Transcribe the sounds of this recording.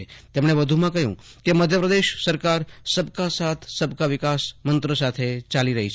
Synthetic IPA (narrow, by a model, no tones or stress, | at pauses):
t̪emɳ̃eʋəd̪ʱumãkəɦjṵ̃ | keməd̪ʱjəpɾəd̪eʃsəɾkaɾsəb̚kasat̪ʰsəbʱkaʋɪkasmənt̪ɾəsat̪ʰet͡ʃaliɾəɦit͡ʃʰ